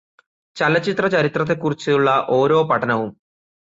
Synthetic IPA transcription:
t͡ɕɐlɐt͡ɕːit̪rɐt͡ɕɐɾit̪rɐt̪̬ːe̞kːurit͡ɕːɨuɭːɐʔo̞ːɾo̞ːpɐʈʰːɐnɐʋum

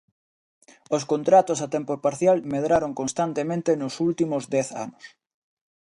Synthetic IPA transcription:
oskont̪ɾat̪osat̪ɛmpopaɾθjalmeð̞ɾaɾoŋkonst̪ant̪emẽnt̪enosult̪imozd̪ɛθa̰nʊs

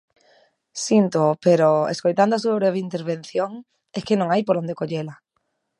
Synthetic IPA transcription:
sint̪oopeɾoḛskojt̪and̪ʊasuaβɾeβeint̪eɾβ̞ẽn̟θjoŋ | eskenõŋajpoɾond̪ekoʎela

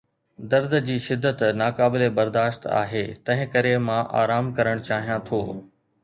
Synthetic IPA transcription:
d̪ɐɾd̪d͡ʑiːʃɪd̪ːət̪naːkaːbɪlebɐɾd̪aːʃt̪a̰ːɦeːt̪ɐ̃ɦɪ̃kɐɾemãʔa̰ːɾaːmkɐɾəɽ̃t͡ɕaːɦijãt̪ʰoː

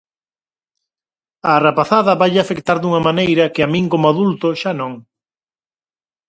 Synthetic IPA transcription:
ɐːrapaθaðɐβajʎafekt̪aɾd̪uŋɐmanejɾɐkɪamĩŋkomʊaðult̪ʊʃanõŋ

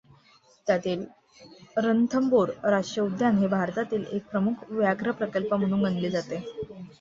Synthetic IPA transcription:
t̪jat̪iːl | ɾənt̪ʰəmboɾɾaʂʈɾəud̪ʱjanɦebʱaɾt̪at̪iːlek̚pɾəmukʰʋjaɡɾəpɾəkəlpəm̤əɽ̃uːnɡənled͡zat̪e

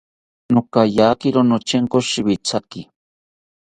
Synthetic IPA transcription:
nokajaːkiɾonot͡ʃeŋkoʃɪwit͡sakɪ

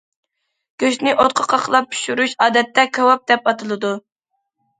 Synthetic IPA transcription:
ɡ̥ʲøʃnɪʔot̪̚qʰəqʰɑqʰlˠɑp̚t̪ʰy̥ʃyɾuʃɑːd̪ɛt̪ʰːɛkʰʲɑwɑp̚d̪ɛpɑt̪ʰɨlˠɨd̪u

